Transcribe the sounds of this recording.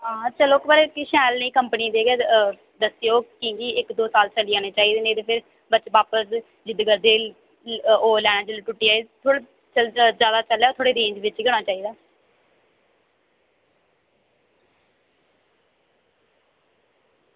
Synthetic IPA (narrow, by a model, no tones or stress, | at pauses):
aːətːʃʰaːloːkbaːɾekiʃɛːlnəĩːkəmpniːd̪eːɡɛː | d̪əsijoːkĩːɡiːɪkd̪oːsaːlt͡ʃəliːãːneːt͡ʃaːiːd̪eːnẽːt̪eːpʰɪɾ | bət͡ʃbaːpəs | d͡ʒɪd̪ɡəɾd̪eː | oːlɛːɽ̃ãːd͡ʒɪlʈʊʈːiːaːet̪ʰoːɽe | t͡ʃəzjaːd̪aːt͡ʃəlːjaːoːt̪ʰoːɽeːd̪ẽːɲd͡ʒʋɪt͡ʃɡɛːɽ̃aːt͡ʃaːiːd̪aː